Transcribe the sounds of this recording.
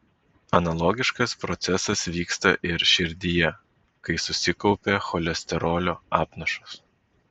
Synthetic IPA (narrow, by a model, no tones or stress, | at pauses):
ɐnɐlˠɔɡʲɪʃkɐspɾɔt̪sʲɛsɐsʋʲiːkst̪ɐ̰ʔɪɾʃʲɪɾʲd̪ʲijɛ | kɐɪsʊsʲɪkɒʊpʲexɔlʲɛsʲt̪ʲɛɾɔːlʲoːɑːpnɐʃʊs